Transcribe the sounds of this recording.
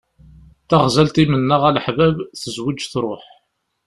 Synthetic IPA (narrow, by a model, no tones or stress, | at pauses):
θaʁzælt̪imənːəʁæləħvævθəzwid͡ʒθɾˤoħ